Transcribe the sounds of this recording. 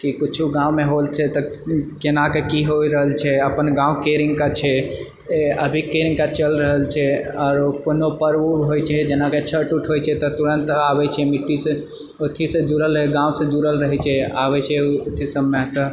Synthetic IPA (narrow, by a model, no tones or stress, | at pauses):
kikut͡ʃʰuɡãũmeɦolt͡ʃʰɛt̪ɔkenakekiɦoiɾəɦəlt͡ʃʰɛəpənɡãũkeɾiŋɡkat͡ʃʰɛ | əbʱikeɾĩŋɡkat͡ʃəlɾəɦəlt͡ʃʰɛɔːɾkonopəɾbuɦojt͡ʃʰɛd͡ʒenaket͡ʃʰəʈuʈʰɦojt͡ʃʰɛt̪ɔt̪uɾənt̪abɛt͡ʃʰɛmiʈːisə̃ | ot̪ʰisə̃d͡ʒuɾələɦeɡãw̃sə̃d͡ʒuɾəlɾəɦɛt͡ʃʰɛabɛt͡ʃʰɛot̪ʰisəmet̪ɔ